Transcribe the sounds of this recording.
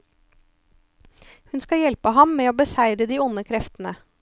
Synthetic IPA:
hʉnskɑjɛlpəɦɑmmeːoːbəsæɪɾəd̪iːʊnəkʰɾɛft̪n̩ə

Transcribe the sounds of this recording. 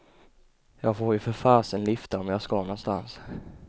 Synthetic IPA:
jɑːɡfoːɾjɵfœɾfaːsənlʏft̪aɔmjɑːskɑnɔnst̪a̰ns

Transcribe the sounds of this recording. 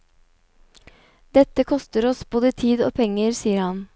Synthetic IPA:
d̪ɛt̪əkʰɔst̪əɾɔsboːd̪ət̪ʰiːd̪o̰ːpʰɛŋəɾsiːəɾhɑn

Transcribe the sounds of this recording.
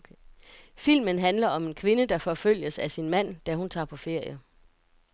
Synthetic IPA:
fil̰mənɦænlɐɒ̽me̝nkʰʋe̝nəd̥ɑ̈fɒ̽føl̰jəsæsinmæn̰d̥æhunt͡sʰɑ̈ːpʰɒ̽fe̝ɐ̰jə

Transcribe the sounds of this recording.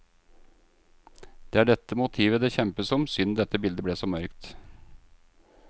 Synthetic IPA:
d̪̥eːæːɖɛt̪ːəmʊt̪ʰiːʋəd̪eːçɛmpəsɔmsʏnd̪ɛt̪ːəbɪld̪əblɛːsɔmœɾkt̪

